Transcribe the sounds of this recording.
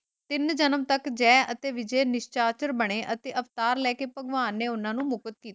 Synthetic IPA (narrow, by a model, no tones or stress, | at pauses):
t̪ɪnd͡ʒənəmt̪əkd͡ʒɛːət̪eːʋɪd͡ʒeːnɪʃt͡ʃaːt͡ʃəɾbəɽ̃eːʔət̪eːʔəpt̪aːɾlɛːkeːpəɡʋaːnːeːʊnãːnũːmʊkət̪̚kiːt̪ː